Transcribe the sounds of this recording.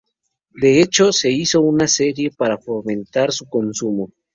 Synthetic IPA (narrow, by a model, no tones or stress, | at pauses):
d̪e̞e̞t͡ʃo̞se̞iso̞unase̞ɾije̞paɾafome̞ntaɾsuko̞nsumo̞